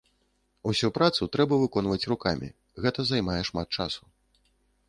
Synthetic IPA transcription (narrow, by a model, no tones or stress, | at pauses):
usʲupɾat̪sut̪ɾɛbɐvɨkɔn̪vɐt͡sʲrukamʲḭ | ɣɛt̪ɐzajmajɛʂmat̪̚t͡ʂasu̥